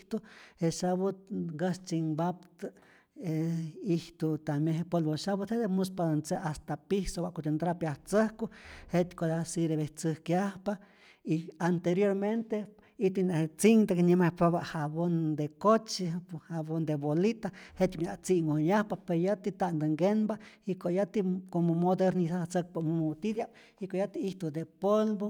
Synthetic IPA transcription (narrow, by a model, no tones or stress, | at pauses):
t̪uheʃaβut̪̚ɡəst͡siŋbapt̪ɨ | eiht̪ut̪amjeɦepolβoʃaβut̪hed̪emuspad̪ont͡seast̪apihsowaʔkot͡ʃ̪ent̪ɾapjaht͡səhkuhet̪kʷad̪asiɾeβeht͡səhkjahpa | iant̪eɾjoɾment̪e | iht̪uneht͡siŋd̪akeɲimapaβahaβond̪ekot͡ʃihaβond̪ebolit̪ahet̪mjaʔt͡siŋwoɲahpapeɾjat̪it̪and̪əŋɡenbaikojat̪ikomomod̪eɾnisat͡sək̚pamomot̪id̪ja | ikoʔjat̪iiht̪ud̪epolbo